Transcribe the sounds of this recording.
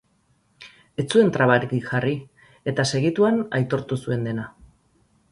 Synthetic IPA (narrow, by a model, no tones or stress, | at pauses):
e̞t͡sue̞nt̪ɾaβaɾikiʝari | e̞t̪ase̞ɣ̞it̪uanajt̪o̞ɾt̪usue̞nd̪e̞na